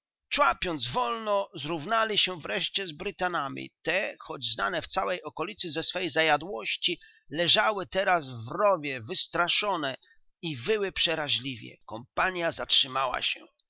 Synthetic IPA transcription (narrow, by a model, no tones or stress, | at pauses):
t͡ʂwapʲjɔnd̪zvɔlnɔzɾuvnalʲiɕɛvɾɛʂt͡ɕɛzbɾɘt̪anamʲḭt̪ɛxɔd͡ʑzna̰nɛft̪sawɛjɔkɔlʲit̪sɘzɛsfɛjzajad̪wɔɕt͡ɕi | lɛʐawɘt̪ɛɾasvɾɔvʲjɛvɘst̪ɾaʂɔnɛ | ivɘwɘpʂɛɾaʑlʲivʲjɛ̰kɔmpaɲjazatʂɘmawa̰ɕɛ̰